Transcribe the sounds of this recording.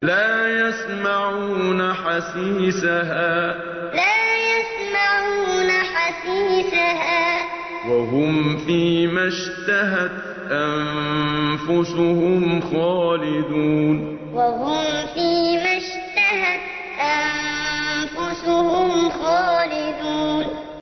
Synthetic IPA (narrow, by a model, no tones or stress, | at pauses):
laːjas | maʕuuːnaħasiːsaɦaː | laːjas | maʕuːnaħasiːsaɦaː | waɦʊmfiːmaʃ | t̪aɦat̪ | ʔannfʊsʊhʊmxaːlɪd̪uːn | waɦʊmfiːmaʃ | t̪ahat̪ | ʔan | fʊsʊhʊmxaːlɪd̪uːn